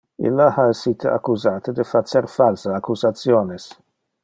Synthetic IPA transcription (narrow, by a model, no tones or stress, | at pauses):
ɪ̰lːaħɐɛsːiːt̪ɐ̰kːuzaːt̪ɪd̪ɪfat͡sːɛɾfalsɐːkːuzɐt͡sːjɔːnɪs